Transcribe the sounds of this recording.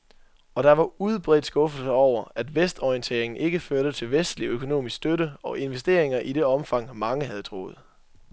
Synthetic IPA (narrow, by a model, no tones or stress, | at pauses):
ɒ̽ɾ̥ɑ̈ʋɑ̈uð̞ˠb̥ʁɛ̰ːd̥sɡ̥ɔ̽fl̩səɒʊ̰ɐæd̥ʋesd̥ɒiənt͡sʰe̝̰ɐe̝ŋn̩ʔe̝ɡ̥əføɐɾ̥ət͡sʰe̝lʋesd̥liøkʰo̝no̝̰ːmisɡ̥sd̥øɾəɒ̽ʔe̝nʋesd̥e̝̰ɐ̰eŋɐʔide̝ɒ̽mfɑ̈ŋ̰mɑ̈ŋəɦæð̞̩ˠt͡sʰʁo̝̰ːð̞̩ˠ